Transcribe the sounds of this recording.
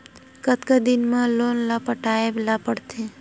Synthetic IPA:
kət̪kəd̪ɪnmãlonlapəʈaeblapəɽt̪ʰe

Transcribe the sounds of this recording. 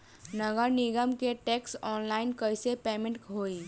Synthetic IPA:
nəɡəɾnɪɡəmkeʈeːksɔːnlaːɪnkəɪsepeːmẽɳʈɦoːi

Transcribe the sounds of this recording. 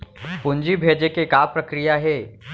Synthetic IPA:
pʊnd͡ʒibʱeːd͡ʒekekaːpɾɐkɾijaɦɛː

